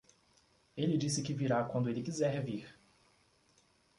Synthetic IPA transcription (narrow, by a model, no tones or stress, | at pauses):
elɪd͡ʒisɪkɪviɾakwɐ̃nd̪ʊelɪkizɛɾviɾ